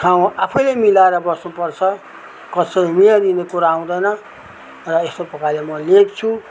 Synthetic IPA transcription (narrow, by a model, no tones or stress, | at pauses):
ʈʰaw̃apʰʌjlemilaeɾʌbʌsnupʌrt͡sʰʌ | kʌsʌimijad̪inekuɾaaw̃d̪ʌjnʌ | rʌest̪opʌkalemʌlekt͡sʰu